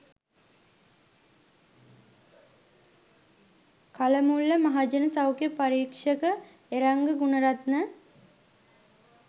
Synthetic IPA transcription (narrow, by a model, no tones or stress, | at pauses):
kaləmulːəmaɦad͡ʒənɐsawkjəpaɾiːkʂəkə | eɾaŋɡəɡunɐɾat̪nə